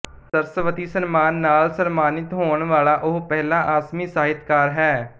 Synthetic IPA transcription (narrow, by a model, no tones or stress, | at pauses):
səɾsəʋət̪iːsənmaːnːaːlsənmaːnɪt̪ɦoːəɳʋaːlaːʔʊɦpɛɦlãːʔaːsmiːsaːɦɪt̪kaːɾɦɛː